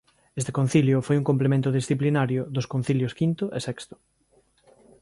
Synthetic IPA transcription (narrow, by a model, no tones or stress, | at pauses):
est̪ɪ̥kõn̟θiljʊfojuŋkõmp̬lemẽnt̪ʊðisθiplinaɾjʊðʊskõn̟θiljʊskint̪ʊʔesɛkst̪ʊ̥